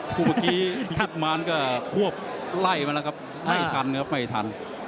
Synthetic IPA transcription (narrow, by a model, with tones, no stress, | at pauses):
kʰuː˧˩maː˧˩kiː˦˥kʰt̪̚maː˧˥nkɔː˥˧˩kʰu˥˩əp̚la˧˥˩jma˧lkʰa˦˥p̚ | ma˥˩˧t̪ʰa˧n˧kʰa˧˥p̚ma˥˩jt̪ʰa˧n